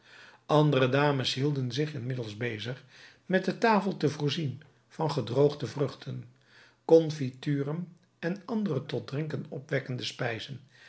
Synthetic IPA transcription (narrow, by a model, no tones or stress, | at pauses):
ʔɑndərədaːməsɦilˠdənzɪχɪnmɪdəlˠzbejzəχ | mɛt̚dətaːfəlˠtəvʊːɹzin | v̥ɑnχədrowχdəvrɵχtʰən | kɔnfityːrən | ɛnɑndərətɔt̚drɪŋkənɔpʋɛkəndəspɛjzən